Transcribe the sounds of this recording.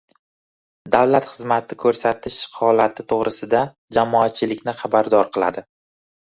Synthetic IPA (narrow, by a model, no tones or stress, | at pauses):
d̪awlat̪χɨzmat̪ʰɪkʰɵɾsat̪ʰɪʃhɒlat̪ʰɪt̪ʰoʁɾɨsɪd̪a | d͡ʒamɒat̪̚t͡ʃʰɪlɪkʲnɪχɑbaɾd̪ɒɾqʰɨlˠa̰d̪ɪ